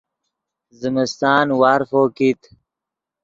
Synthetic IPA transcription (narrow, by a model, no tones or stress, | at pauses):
zimist̪aːnwaːɾfoːkit̪